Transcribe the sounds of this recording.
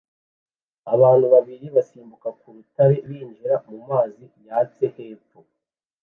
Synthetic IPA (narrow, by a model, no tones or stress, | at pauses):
aβaːnhuβaβiɾiβasiːmbukakuɾutaɾe̞βiːnd͡ʒiɾamumaːzijaːt͡se̞he̞ːfo